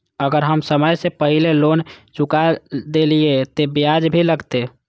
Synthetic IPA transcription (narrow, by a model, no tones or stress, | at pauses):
əɡəɾɦəmsəməjsepəɦilelont͡ʃukad̪eliet̪ebijad͡ʒbʱiləɡt̪e